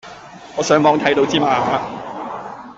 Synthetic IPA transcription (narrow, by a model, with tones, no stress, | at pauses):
ŋɔː˨˧sœː˨˥ŋmɔː˨˧ŋt̪ʰɐ˨˥jt̪o˧wt͡siː˥maː˨˧ɦaː˨˧